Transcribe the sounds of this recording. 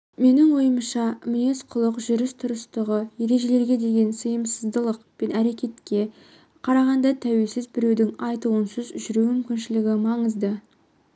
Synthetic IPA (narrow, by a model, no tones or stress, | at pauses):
me̞nɪŋwo̞jəməʃɑmʏj̪e̞sqʰʊlˠəqʒʏɾɪst̪ʰʊɾəst̪əʁəje̞ɾe̞ʒe̞le̞ɾɡʲe̞d̪e̞ɡʲe̞nsəjəmsəzd̪əlˠəqpe̞næɾe̞kʲe̞t̪kʲe̞ | qʰɑɾɑʁɑnd̪ɑt̪ʰæwe̞lsɪzbɪɾe̞wd̪ɪŋɑjt̪uənsəzʒʏɾumʏmkʲɪnʃɪlɪɡʲɪmɑɴəzd̪ə